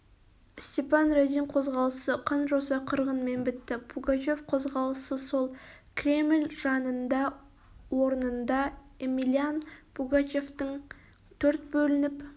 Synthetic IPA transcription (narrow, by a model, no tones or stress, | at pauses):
st̪ʲepɑnrad̪iɴqʰo̞zʁɑlˠəsəqʰɑnʒosɑqʰəɾʁənme̞nbɪt̪ːɪbuɡat͡ʃe̞fqʰo̞zʁɑlˠəsəso̞lˠkʲʰrʲe̞mlʲʒɑnənd̪ɑ | wo̞ɾənənd̪ɑemilʲijanb̥uɡat͡ʃe̞ft̪əɴ | t̪ʰɵɾt̪̚bɵlɪnɪp